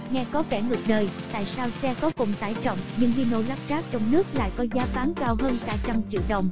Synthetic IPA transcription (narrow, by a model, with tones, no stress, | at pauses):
ŋɛ˧kɔ˨˦kɛ˧˩ŋɨ˨˩k̚nəː˧˩jt̪a̰ː˧˨jsaː˧wsɛ˧kɔ˨˦kʊ˨˩ŋ͡mt̪a̰ː˧˩jt͡ɕɔ̰˧˨wŋ͡mɲɨ̰˧ŋhi˧no̰˧˨jla˦˥p̚zaː˦˥k̚t͡ɕɔ˧wŋ͡mnɨ˦˥ək̚la̰ː˧˨jkɔ˨˦zaː˨˦faː˨˦ŋkaː˧wɦəː˧nt̪a̰ː˧˩jt͡ɕa˧mt͡ɕḭ˧˨wɗə̰˨˧˨wŋ͡m